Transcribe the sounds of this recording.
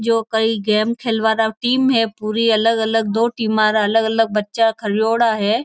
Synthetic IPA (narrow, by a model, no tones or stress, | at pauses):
d͡ʑoːkɐɾiɡɛːmkʰeːlʋaːɾaʈiːmɦeːpuːɾiɐləɡɐləɡ̚d̪oːʈiːmaːɾaɐləɡɐləɡ̚bɐtːt͡ʃakʰɐɾjoːɽaːɦeː